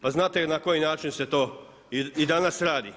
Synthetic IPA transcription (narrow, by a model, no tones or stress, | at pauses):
paznaːt̪enako̞jinaːt͡ʃinset̪oː | iid̪anasɾaːd̪i